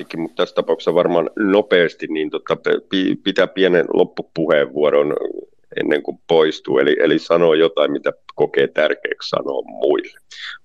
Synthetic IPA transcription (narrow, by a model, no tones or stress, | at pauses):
ikːimmut̪t̪æst̪ɑpɑukssɑʋɑrmɑnnopeːst̪inniːnt̪ot̪ːɑpepipit̪æpiænḛnlʔo̰pːupuheːʋʋuɑɾon | ḛnːeŋkumpoist̪ṵːeliʔelisɑnoːjot̪ɑimmit̪ækokeːt̪ærkḛːkssɑ̰no̰ːmmuilːe